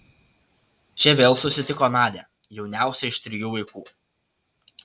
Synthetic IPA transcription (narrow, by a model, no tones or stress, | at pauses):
t͡ʃʲɛʋʲeːlˠsʊsʲɪt̪ʲɪkɔːnɑːd̪ʲeː | jɛʊnʲæˑʊsʲɛɪʃt̪ʲɾʲɪjuːʋɐɪkuː